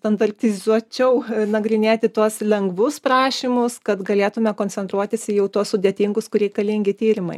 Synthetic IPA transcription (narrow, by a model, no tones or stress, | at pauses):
t̪ɐnd̪ɐrʲp̚ʲt̪ʲɪzuɔt͡ʃʲɛʊnɐɡɾʲɪnʲeːt̪ʲɪt̪uɔslʲɛŋɡʋʊspɾɑːʃʲimʊskɐt̪ɡɐlʲeːt̪ʊmʲɛkoːnʲt͡ssʲɛnt̪ɾuɔt̪ʲɪsʲɪjɛʊt̪uɔssʊdʲeːt̪ʲiŋɡʊskʊɾʲɛɪkɐlʲiŋʲɡʲɪt̪ʲiːɾʲɪmɐ̰ɪ